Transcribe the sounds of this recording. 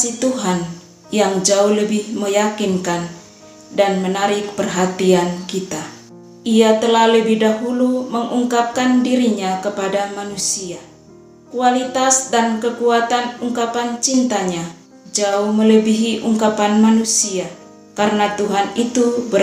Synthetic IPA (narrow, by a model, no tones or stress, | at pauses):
it̪uɦan | jaŋd͡ʒauhləbɪhməjakinkan | danmənaɾɪk̚pərɦat̪iankit̪a | ʔiat̪əlahləbɪhdaɦuluməŋʔuŋkap̚kandiɾiɲakəpadamanusia | kualit̪asdankəkuat̪anuŋkapant͡ʃint̪aɲa | d͡ʒauhmələbiɦiʔuŋkapanmanusia | kaɾənat̪uɦanit̪ubə